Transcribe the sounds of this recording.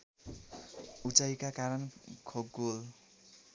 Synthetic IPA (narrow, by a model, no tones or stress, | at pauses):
ut͡sajkakaɾʌnkʰoɡol